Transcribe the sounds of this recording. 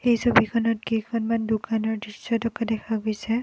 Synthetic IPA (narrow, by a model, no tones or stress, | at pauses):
ejsobʱikʰɔnɔt̚kikʰɔnmandukanɔɹdɹisːɔtʰɔkadɛkʰaɡojsɛ